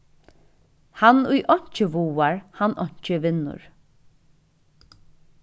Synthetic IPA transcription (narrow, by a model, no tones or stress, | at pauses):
hanʊjʔɔɲ̥t͡ʃəʋuːaɹhanɔɲ̥t͡ʃəʋɪnːʊ̰ɹ